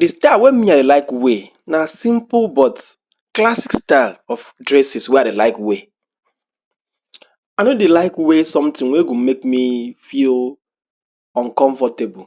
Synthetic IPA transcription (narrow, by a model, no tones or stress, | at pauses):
distawɛ̃nmiadelaɪkwe | nasĩmplbɔt | klasikstalɔfdɹɛsisweadelaɪkwe | anodelaɪkwesɔ̃mtĩŋweɡumekmifil | ɔ̃nkɔ̃ɱfɔtebɔ